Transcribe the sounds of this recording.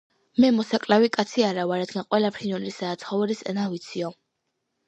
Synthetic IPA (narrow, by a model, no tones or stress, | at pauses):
mɛmɔsakʼlavikʼat̪sʰiaɾavaɾad̪ɡanqʼwɛlapʰɾinɔnɾisaːt̪sʰχɔvɛɾisɛ̰navit̪sʰiɔ